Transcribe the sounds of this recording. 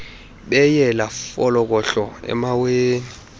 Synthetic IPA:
ɓɛjɛlafɔlɔk̬ʼɔɬɔɛ̰maweːn

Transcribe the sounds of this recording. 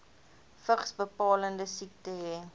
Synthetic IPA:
fəχsbəpɑːləndəsik̚təɦɛ

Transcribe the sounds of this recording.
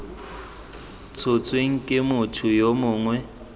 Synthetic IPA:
t͡sʰʊt͡sʼweŋ̩kʼɪmʊtʰʊjomʊːŋwɛ

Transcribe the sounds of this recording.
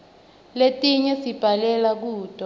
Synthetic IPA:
letʼiɲɛsib̥ʱalɛlak̬uːd̥ʱɔ

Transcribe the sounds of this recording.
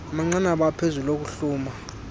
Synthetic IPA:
ɓaŋ͡ǀanaɓapʰezulok̬uɬuːma

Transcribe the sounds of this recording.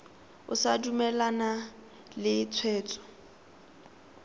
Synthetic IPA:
ʊ̰sadumɛlana | lɪt͡sʰwɛːt͡sʼɔ̥

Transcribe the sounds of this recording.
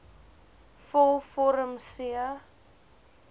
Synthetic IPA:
fɔlfɔɾəmsiə

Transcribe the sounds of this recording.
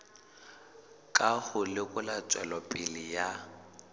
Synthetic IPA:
kʼahʊlɪkʼʊlat͡sʼwɛlɔpʼɪlɪja

